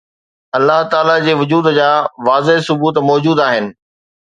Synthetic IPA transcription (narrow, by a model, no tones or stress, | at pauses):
ɐlːaɦt̪aːlad͡ʑeːʋʊd͡ʑuːd̪d͡ʑaːʋaːzeɦsʊbuːt̪mɔːd͡ʑuːd̪aːɦɪnɪ̆